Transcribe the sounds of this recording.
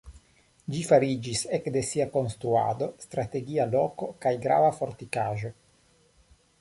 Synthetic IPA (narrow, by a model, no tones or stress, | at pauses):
d͡ʒifaɾid͡ʒisekd̪e̞siako̞nst̪ɾua̰d̪o̞st̪ɾat̪e̞ɡialokokajɡɾa̰vafo̞ɾt̪ikaʒo̞